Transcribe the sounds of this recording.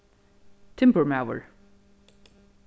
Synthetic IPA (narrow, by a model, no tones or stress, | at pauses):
tʰɛ̃mpəɹmaʊə̰ɹ